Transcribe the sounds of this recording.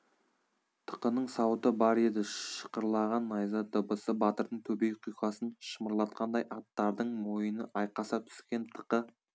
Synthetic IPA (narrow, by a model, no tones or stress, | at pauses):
t̪ʰə̥qənəɴsɑwt̪əbɑɾed̪ɪʃə̥qəɾlˠɑʁɑnːɑjzət̪əbəsəbɑt̪əɾd̪əɴt̪ʰɵbe̞jqʰijqɑsənʃəməɾlˠɑt̪̚qʰɑnd̪ɑjʔɑt̪ːɑɾd̪əɴmo̞jənəʔɑjqɑsɑt̪ʰʏ̥skʲe̞nt̪ʰə̥qə